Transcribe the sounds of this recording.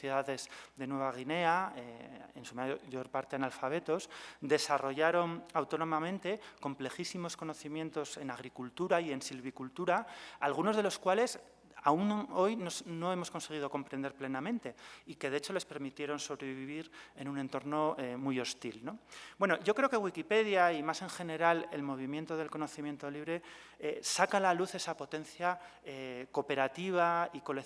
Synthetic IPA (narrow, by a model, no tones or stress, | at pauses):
jeðaðe̞zd̪e̞nwe̞β̞aɣ̞ine̞aeḛnsumaʝo̞ɾpaɾt̪eenalfaβ̞e̞t̪o̞sd̪e̞saro̞ʝaɾo̞nawt̪o̞no̞mamẽ̞nt̪e̞ko̞mple̞xisimo̞sko̞no̞θimje̞nt̪o̞se̞naɣ̞ɾikult̪uɾaie̞nsilβikult̪uɾaalɣ̞uno̞zðe̞lo̞skwale̞s | auno̞jnosno̞e̞mo̞sko̞nse̞ɣ̞iðo̞ko̞mpɾẽnd̪eɾple̞namẽnt̪e̞ike̞ðe̞et͡ʃo̞le̞spe̞ɾmit̪je̞ɾo̞nso̞βɾe̞βiβiβiɾe̞nũne̞nt̪o̞ɾno̞emujo̞st̪ilno̞bwe̞no̞ʝo̞kɾe̞okeɣwikipe̞ðjaimase̞ŋxe̞ne̞ɾale̞̰lmo̞β̞imje̞nt̪o̞ðe̞lko̞no̞θimjẽ̞nt̪o̞liβ̞ɾe̞ | esakalaluθe̞sapo̞t̪e̞nθja | eko̞pe̞ɾat̪iβ̞aiko̞le